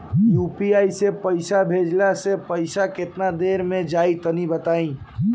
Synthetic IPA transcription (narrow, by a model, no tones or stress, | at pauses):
jupiajsepəɪsabʱed͡ʒlasepəsaket̪nad̪eɾmẽd͡ʒait̪ənibət̪aĩ